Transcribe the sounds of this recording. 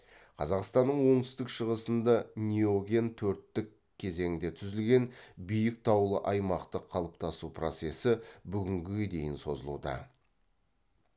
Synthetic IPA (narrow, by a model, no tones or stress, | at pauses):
qʰɑzɑqst̪ɑnːəɴwo̞ŋt̪ʏ̥st̪ɪkʃəʁəsənd̪ɑnʲioɡʲe̞nt̪ʰɵɾt̪ːɪkʲʰːe̞ze̞ŋd̪e̞t̪ʰʏzɪlɡʲe̞nbijɪk̚t̪ʰɑwlˠəʔɑjmɑqt̪əqʰːɑlˠəp̚t̪ʰɑsupro̞t̪se̞sɪbʏɡʲɪŋɡʲɪed̪e̞jɪnso̞̰zəlˠṵd̪ɑ̰